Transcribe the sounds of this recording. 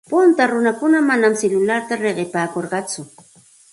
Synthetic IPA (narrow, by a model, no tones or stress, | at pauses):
pʊnt̪aɾʊnakʊnamanamsɪlʊlaɾt̪aɾeɢɪpaːkoɾɢɑt͡sʊ